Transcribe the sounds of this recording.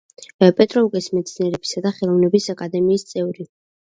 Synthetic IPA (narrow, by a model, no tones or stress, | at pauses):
pʼɛt̪ʼɾɔukʼɛsmɛt̪sʰniɛɾɛbisad̪aχɛlˠɔvnɛbisakʼad̪ɛmiːst̪sʼɛvɾi